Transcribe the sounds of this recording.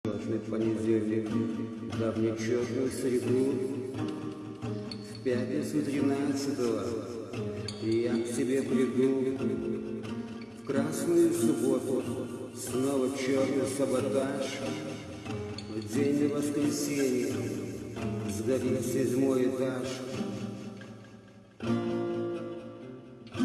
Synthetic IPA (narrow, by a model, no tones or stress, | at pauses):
ot̪nɨfpənʲɪdʲelʲnʲɪk | d̪ɐvnʲɪt͡ɕornʊjʊsɾʲɪd̪u | fpʲatʲnʲɪt̪sʊt̪ɾʲɪnat̪sɨt̪əvə | ijaksʲɪbʲe̞pɾʲɪbɨlˠɡʲɪkʊ | fkɾasnʊjʊsʊbot̪ʊ | snovət͡ɕornʊjsɐbɐt̪aʃ | vdʲenʲɪvəskɾʲɪsʲenʲɪjə | zɡɐɾʲitsʲɪdʲmojɪt̪aʂ